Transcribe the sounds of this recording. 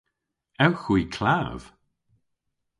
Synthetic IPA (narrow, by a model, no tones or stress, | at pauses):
ɛwxwiːkʰlav̥